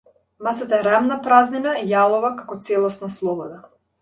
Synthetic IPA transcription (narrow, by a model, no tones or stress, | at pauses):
masat̪aɛɾamnapɾazninaijalˠɔvakakɔt̪sɛlˠɔsnaslˠɔbɔd̪a